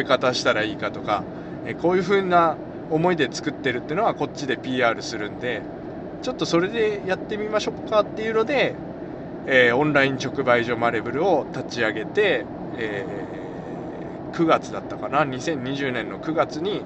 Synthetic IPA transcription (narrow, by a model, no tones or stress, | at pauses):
ikat̪aɕi̥t̪aɾaiːkat̪o̞ka | eko̞ːjɯ̟ɸɯ̟ːna | o̞mo̞id̪e̞t͡sɨ̥kɯ̟t̪ːe̞ɾɯ̟t̪ːeɯnoako̞t͡ɕːid̪e̞pʲiːaːɾɯ̟sɨɾɯ̟̃nd̪e̞ | t͡ɕo̞t̪ːo̞so̞ɾe̞d̪e̞jat̪ːe̞mʲimaɕo̞kːat̪ːe̞jɯ̟no̞d̪e̞ | õ̞nɾaĩɲ̟t͡ɕo̞kɯ̟baiʑo̞maɾebɯ̟ɾɯ̟o̞t̪at͡ɕiaɡe̞t̪e̞ː | kɯ̟ɡat͡sɨd̪at̪ːakanaɲ̟isẽ̞ɲ̟ːiʑɨːnẽ̞nːo̞kɯ̟ɡat͡sɨɲ̟i